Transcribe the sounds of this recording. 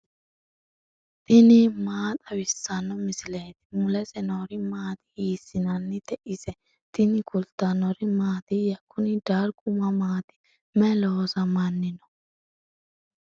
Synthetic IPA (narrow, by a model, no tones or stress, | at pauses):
t̪ʼɪnimaːt̪ʼɐwɪsːɐnːɔmɪsɪleːt̪ɪ̥mʊlɛsɛnɔɾɪmaːt̪ɪ̥iːsːɪnɐnːɪt̪ɛʔɪsɛ | t̪ɪnɪkʊlt̪ːɐnɔɾɪmaːt̪ɪjɐkːʊnɪd̪aːɾkʼʊmɐmaːt̪ɪ̥ | mɛloːsɐmɐnːɪnɔ̥